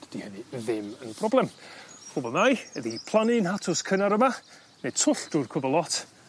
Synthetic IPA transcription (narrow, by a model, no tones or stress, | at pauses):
d̥d̥ihɛnɨðɪmənpʰrɔblˠɛmhubɔlˠnajəðipʰlˠanɪnhatʰʊskʰənaɾəma | ned̥tʰʊɬd̥ur̥kʰʊbɔlˠɔt